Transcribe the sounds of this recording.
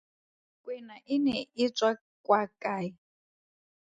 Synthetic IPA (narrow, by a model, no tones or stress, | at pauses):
kʼwɛnaʔinɛit͡sʼwa | kʼwakʼaːji